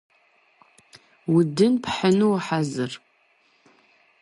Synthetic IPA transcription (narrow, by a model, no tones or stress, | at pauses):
wʊdɨnpħənuwħazɨr